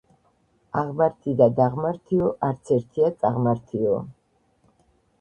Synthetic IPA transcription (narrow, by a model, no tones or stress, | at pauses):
aʁmaɾt̪ʰid̪ad̪aʁmaɾt̪ʰiɔʔaɾt̪sʰɛɾt̪ʰiat̪sʼaʁmaɾt̪ʰiɔ̰